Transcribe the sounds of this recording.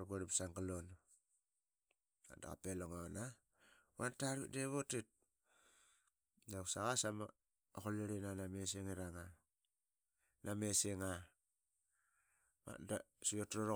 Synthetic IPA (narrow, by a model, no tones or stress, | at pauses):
ɾɡoɾipsaŋɡalon | a̰da̰ka̰peloŋana | wantaɾβḭdeβotit̚ | naksaɣasama̰ | okoliɾinanameseŋiɾaŋa | nʔameseŋa | ma̰dasiotɾoɾo